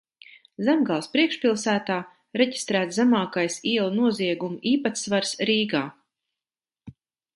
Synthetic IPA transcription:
zæmɡalˠspɾiɛkʃpʲilˠsæːt̪aː | ɾeɟi̥st̪ɾæːt̪zæmaːkajsiɛlˠunuɔziɛɡumiːpat̪svaɾsɾiːɡaː

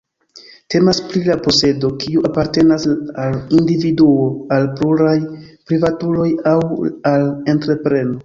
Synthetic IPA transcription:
te̞maspɾilapo̞se̞do̞kiuʔapaɾte̞nasalindividuoalpluɾajpɾivatulo̞jawale̞ntɾe̞pɾe̞no̞

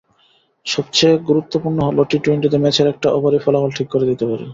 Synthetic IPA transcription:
ʃɔb̚t͡ɕeɡuɾut̪ːopuɾnoɦoloʈiʈuinʈid̪emɛt͡ɕʰeɾɛk̚ʈaʔɔbaɾifɔlafolʈʰikːoɾed̪it̪epaɾḛ

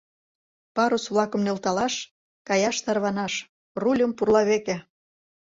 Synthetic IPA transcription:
pɑɾosβlˠɑkə̆mnelt̪ɑlɑʃ | kɑjɑʃt̪ɑrβɑnɑʃ | rulʲəmpurlɑβekĕ

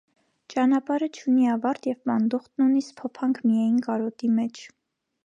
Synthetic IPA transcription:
t͡ʃɑnɑpɑɾət͡ʃʰuniɑvɑɾt̪jɛvpɑnd̪uχt̪nunispʰɔpʰɑŋkʰmijɑjinkɑɾɔt̪imɛt͡ʃʰ

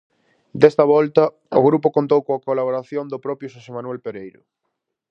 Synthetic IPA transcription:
d̪est̪ɐβɔlt̪ɐ | o̰ɣɾupʊkont̪owkoakolaβoɾaθjond̪ʊpɾɔpjoʃosemanwelpeɾejɾʊ̰

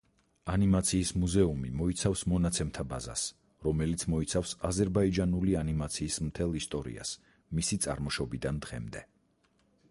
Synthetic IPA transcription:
animat̪sʰiːsmuzɛumimɔit̪sʰafsmɔnat̪sʰɛmt̪ʰaba̰za̰s | ɾɔmɛlit̪sʰmɔit̪sʰafsazɛɾbaid͡ʒanulianimat̪sʰiːsmt̪ʰɛlˠist̪ʼɔɾḭa̰s | misit̪sʼa̰ɾmɔʃɔbid̪and̪ʁɛ̰md̪ɛ

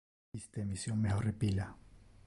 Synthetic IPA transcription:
ist̪eːmisjoŋmexorepila

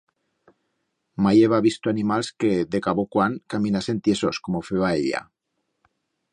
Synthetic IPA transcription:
majeβaβist̪oanimalskeðekaβokwaŋkamĩnase̞nt̪jesoskomofeβaeʎa̰

